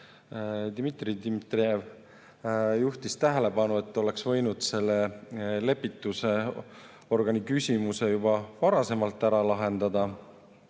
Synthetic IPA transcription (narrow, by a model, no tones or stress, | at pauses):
d̪̥imit̪ˑrid̪imit̪riev | juht̪ist̪æɦele̞bɑnue̞t̪ːo̞le̞ksvɤ̞jnud̪̥se̞lːe̞le̞pːit̪ːˑuse̞ | o̞rɡ̥ɑnikysʲimuse̞jubɑvɑɾɑse̞mɑlt̪ːˑæɾɑlɑɦe̞nd̪ɑd̪ɑ